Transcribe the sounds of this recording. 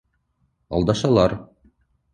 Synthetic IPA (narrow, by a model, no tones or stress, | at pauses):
ɑ̰lˠd̪ɑʃɑlˠɑɾ